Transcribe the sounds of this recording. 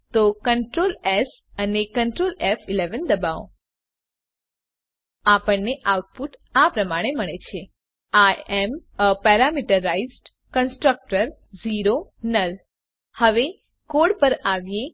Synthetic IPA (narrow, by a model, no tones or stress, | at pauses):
t̪okəɳʈɾoles | ənekəɳʈɾolefileʋənd̪əbao̰ | apəɳneʔawʈ̚puʈapɾəmaɽ̃eməɳet͡ʃʰe | aeməpaɾamiʈəɾaizɖ | kənsʈɾək̚ʈəɾ | ziɾonəl | həʋe | koɽpəɾaʋje